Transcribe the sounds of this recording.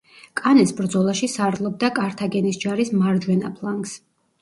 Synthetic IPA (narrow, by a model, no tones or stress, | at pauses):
kʼanɛsbɾd̪zɔlˠaʃisaɾlˠɔb̚d̪akʼaɾt̪ʰaɡɛnisd͡ʒaɾismaɾd͡ʒwɛna̰pʰlˠaŋɡs